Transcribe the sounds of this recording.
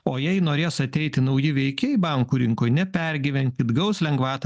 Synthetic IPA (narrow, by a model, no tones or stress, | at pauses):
oːjɛɪnoːɾʲeːsɐt̪ʲɛɪt̪ʲɪnɐʊjɪʋʲɛɪkʲebɐŋkuːɾʲɪŋkoːjnʲɛpʲɛɾʲɡʲiːʋʲɛnʲt̪ʲid̪ɡɐʊslʲɛŋɡʋɑːt̪